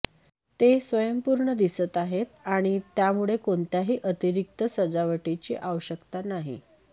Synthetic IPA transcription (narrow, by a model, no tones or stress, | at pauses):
t̪esʋəjəmpuɾɳəd̪isət̪aɦet̪aɽ̃it̪jamuɭekoɳt̪jaɦiːʔət̪iɾik̚t̪əsəd͡zaʋəʈit͡ɕḭːʔaʋəɕəkt̪anaɦḭ